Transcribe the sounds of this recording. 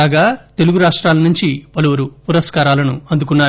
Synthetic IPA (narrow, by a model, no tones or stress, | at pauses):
aːɡaːt̪e̞luɡuɾaːʂʈɾaːlɐnuɲt͡ʃipɐluʋɐɾupuɾɐskaːɾaːlɐnuɐnd̪uk̬unːaː